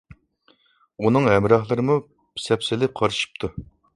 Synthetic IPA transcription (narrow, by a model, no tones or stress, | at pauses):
unɨŋɦɛmɾɑhlˠɨɾɨmu | pʰi̥sɛpsɪlɪp̚qʰɑɾɨʃi̥p̚t̪ʰu